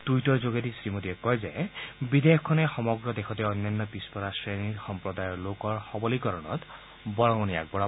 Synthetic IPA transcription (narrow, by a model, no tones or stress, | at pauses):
d̥ujtɔɹzoɡetisɹimodiɛkːɔjzɛbidekʰːɔnɛxɔmɔɡɹɔdexʰɔtɛɔjnːanːɔpispɔɾasɹenixɔmpɹɔdajɔɹlokɔɹxɔbɔlikɔɹɔnɔ̰t | bɔɹɔŋɔnija̰k̚bɔɹa